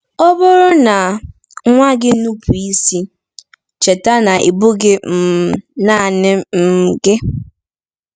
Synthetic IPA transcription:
ɔ˦bʊ˦ɾʊ˦na˨ | ŋʷa˦ɡɪ˦nu˦pʰu˨i˦si˦ | t͡ʃe˨ta˦na˨ʔi˨bu˦ɡɪ˦m̩˨na˦˨nɪ˦m̩˦˨ɡɪ˦

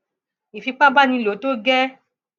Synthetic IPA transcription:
i˨fi˧k͡pa˦ba˦˨nĩ˧lo˨˦to˦ɡɛ˦

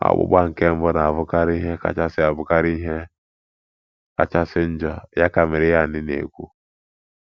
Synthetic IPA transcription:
a̰˦bʊ̰˦ba˦ŋ̩˨ke˦m̩˦bɔ˦na˨vʊ˦ka˦ɾi˦ɦe˦ka̰˨t͡ʃa˦sɪ˦a˨bʊ˦ka˦ɾi˦ɦe˦ | ka̰˦t͡ʃa˦sɪ˦n̩˦d͡ʒɔ˨ja˦ka˨mɪ˨ɾɪ˦ja˦˨nɪ˦nḛ˨kʷu˦

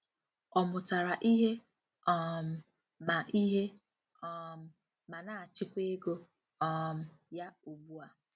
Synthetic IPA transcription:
ɔ˨mʊ˨ta˨ɾa˨ʔi˦ɦe˦ | ɔ˦˨m̩˨ | ma˨ʔi˦ɦe˦ | ɔ˦m̩˦ | ma˨na˨a˨t͡ʃɪ˦kʷe˦e˦ɡo˦ | ɔ˦m̩˨ja˦u˨bu˦a˨

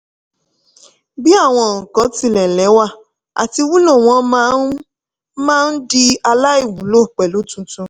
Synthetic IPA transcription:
bi˦a˦˨w̃ɔ̃˧˨ŋ̩˨kɔ̃˨˦ti˧˦lɛ˨lɛ˨˦wa˦˨ | a̰˨ti˧˦wu˦lɔ̃˦˨w̃ɔ̃˨˧˦ | mãː˦n̩˦di˧a˧la˦i˦˨wũ˨˦lo˦˨k͡pɛ˨lu˨˦tũ˧tũ˧

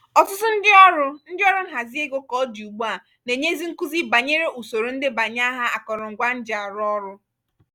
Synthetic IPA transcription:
ɔ˨tʊ˦tʊ˦n̩˦dɪ˦ɔ˦ɾʊ˦n̩˦dɪ˦ɔ˦ɾʊ˦ŋ̩˦ɦa˨zi˦e˦ɡo˦kɔ˦du˨ɡ͡bu˦a˦˨ | ne˨ɲe˦zi˦ŋ̩˦ku˦zi˦ba˨ɲe˦ɾe˦ʔu˨so˨ɾo˨n̩˦dɪ˦ba˨ɲ˦a˦ɦa˦a˨kɔ˨ɾɔ˨ŋ̩˨ɡʷa˦n̩˦d͡ʒa˨ɾʊ˦ɔ˦ɾʊ˦

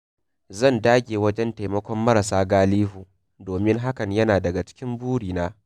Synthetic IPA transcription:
zɐ˦˨ndaː˦ɡʲeː˨wɐ˦d͡ʒɛ˦nteː˨mɐ˦kʷɔ˦mːɐ˦ɾa˨saː˦ɡaː˦liː˦ɦuː˨ | doː˨mɪ˦ŋɦa˦kɐ˨ɲjɐ˦naː˨dɐ˨ɡa˨t͡ʃɪ̥˦kʲɪ˦mbuː˦ɽiː˨naː˦

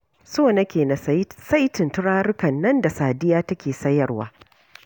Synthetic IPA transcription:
soː˦˨nɐ˦kʲeː˨na˨sɐ˦jtɪ˨ntʊ˦ɽaː˦ɾɪ˦kɐ˨nːɐ˦nda˨saː˨dɪ˦jaː˦tɐ˦kʲeː˨sɐ˦jɐ˨rwa̰ː˨˦

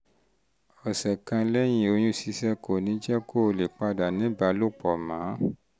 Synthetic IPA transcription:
ɔ˨sɛ˨kã˧lɛ˦j̃ĩ˨o˧j̃ũ˧si˨˧˦sɛ˦ko˨nĩ˨˦d͡ʒɛ˦ko˦˧˨le˨k͡pa˧da˨nĩ˨˦ba˧˦lo˦˨k͡pɔ˨mãː˨˦

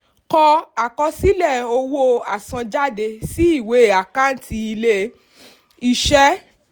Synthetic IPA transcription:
kɔ˧a˨kɔ˧si˦lɛ˦˨o˧wo˦a˨sã˧d͡ʒa˦de˧si˦i˦˨we˨˦˨a˨ka˦˨n̩˦ti˧i˧le˦ | i˧ʃɛ˦

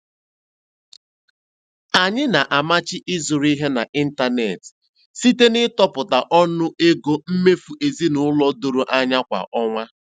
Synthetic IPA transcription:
a˨ɲɪ˦na˨ʔa˨ma˦t͡ʃɪ˦ʔɪ˦zʊ˨ɾi˦ɦe˦na̰˨ʔi˦n̩˦ta˦ne˨t | si˦te˦nɪ˦tɔ˦pʊ˨ta˨ʔɔ˦nʊ˦e˦ɡo˦m̩˦me˦fu˨ʔe˨zi˦nʊ˨˦lɔ˦do˨ɾo˨ʔa˦ɲa˦kʷa̰˨ʔɔ˦ŋʷa˦

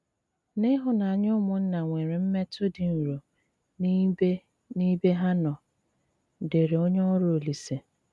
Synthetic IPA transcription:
nɪ˦ɦʊ˨na˨a˨ɲʊ˦mʊ˨n̩˦na˨ŋʷe˨ɾe˨m̩˦me˦tʊ˦dɪ˨n̩˨ɾo˨ | n˦be˦ | ni˦be˦ɦa˦nɔ˨ | de˨ɾe˨o˦ɲe˦ɔ˦ɾʊ˦˨o˨li˨se˨

